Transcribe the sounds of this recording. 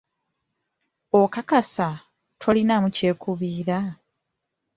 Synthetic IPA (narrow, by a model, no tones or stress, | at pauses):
okakasa | tʰolinamuce̞ːkuβiːɾa